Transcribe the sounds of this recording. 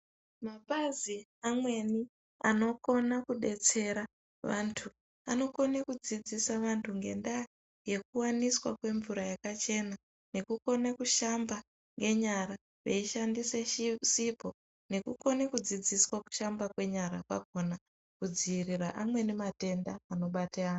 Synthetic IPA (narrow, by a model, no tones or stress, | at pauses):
maɓaziamwe̞ni | ano̞ko̞nakuɗe̞t͡se̞ɾa | ʋantʰu | ano̞ko̞nekud͡zid͡zisaʋantʰuŋɡe̞nda | je̞kuwaniswa̰kwe̞ɱvuɾajakat͡ʃe̞na | ne̞kuko̞nekuʃamba | ŋɡe̞ɲaɾa | ʋḛiʃandiseʃsipo̞ | ne̞kuko̞nekud͡zid͡ziswaku̥ʃambakwe̞ɲaɾa̰kwa̰ko̞na | kud͡ziiriraʔamwe̞nimate̞ndaːno̞ɓateaːnu